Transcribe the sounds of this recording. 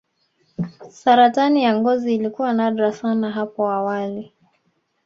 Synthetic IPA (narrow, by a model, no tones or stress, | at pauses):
saɾatanijaŋɡɔziːlikuwanaɗɾasanaɦapɔawali